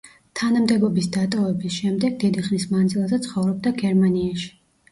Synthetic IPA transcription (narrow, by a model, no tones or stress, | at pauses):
t̪ʰanamd̪ɛbɔbisd̪at̪ʼɔvɛbisʃɛmd̪ɛɡ̚d̪id̪iχnismand̪zilˠzɛt̪sʰχɔvɾɔb̚d̪aɡɛɾmaniaʃi̥